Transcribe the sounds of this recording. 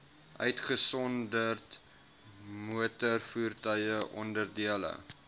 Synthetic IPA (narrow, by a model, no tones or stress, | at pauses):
ʔœɥtχəsɔndərt | muətərfuːrtəjəʔɔ̰ndərdiələ̰